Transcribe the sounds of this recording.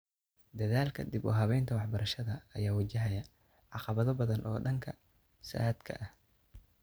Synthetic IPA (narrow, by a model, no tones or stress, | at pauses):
d̪ɐðaːlkʰɐ̰d̪ibɔːɦɐβɛjnt̪ʰɐwɑħbɐɾɐʃɐðɐːjaːwɐt͡ʃɐɦɐjɐ | ʕɑqɑβɐðɔbɐðɐnʔɔːɖɐŋkʰɐ | sa̰d̪kʰɐ̰ʔɐh